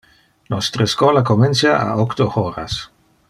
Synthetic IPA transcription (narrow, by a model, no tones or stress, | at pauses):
nɔst̪ɾəskɔːlakomensjaa̰ɔkt̪ohoːɾa̰s